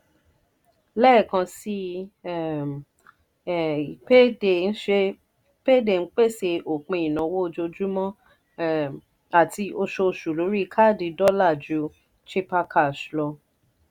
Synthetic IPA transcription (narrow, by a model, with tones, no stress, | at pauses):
lɛ˦˨kã˧si˦˨ | pe˦de˨n̩˦ʃe˧ | pe˦de˨n̩˦k͡pe˦˨se˧o˨k͡pẽ˧˨ĩ˨nã˨˦wo˦o˧d͡ʒo˧d͡ʒu˦mɔ̃˦ | a˨tʰi˧o˧ʃo˧˨ʃu˨lo˨˦ɾi˦˧kʰa˦˨di˨˧dɔ˦la˦˨d͡ʒu˨˦ | t͡ʃi˦pa˧kʰa˨ʃlɔ˧